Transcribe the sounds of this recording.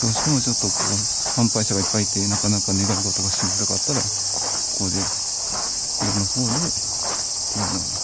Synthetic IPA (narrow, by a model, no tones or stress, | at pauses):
d̥̪o̞ːɕi̥t̪e̞mo̞t͡ɕo̞t̪ːo̞ko̞̰ː | hãmpaiɕaɡaipːait̪ːe̞nakanakaneɡ̪aɾiɡot̪o̞ɡaɕizɨd̪akat̪ːaɾa | koːd̪e̞ | jaɾɯnoho̞ːd̪e | ana